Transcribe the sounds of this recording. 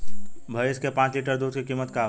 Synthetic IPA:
bʱəeskepãːt͡ʃliʈəɾd̪uːd̪kikiːmət̪ka

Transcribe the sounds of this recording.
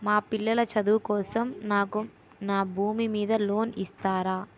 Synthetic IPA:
maːpilːɐlɐt͡ʃɐd̪uːkɔːsɐmnaːku | naːbʱuːmimiːd̪ɐlo̞ːnist̪aːɾaː

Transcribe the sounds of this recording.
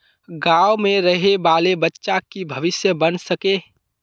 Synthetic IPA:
ɡaːomẽɾəɦebaːlebətːʃakibʱəʋɪsjəbənsəke

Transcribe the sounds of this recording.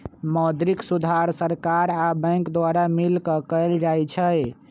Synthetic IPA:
mɔd̪ɾiksud̪ʱaɾsəɾkaɾabə̃jŋkd̪waɾamilkəkəjld͡ʒajt͡ʃʰəj

